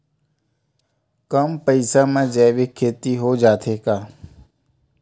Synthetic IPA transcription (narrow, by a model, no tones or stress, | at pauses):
kəmpəɪsaːmãːd͡ʒɛːʋekʰːeːt̪iːɦoːd͡ʒaːt̪ʰeːkaː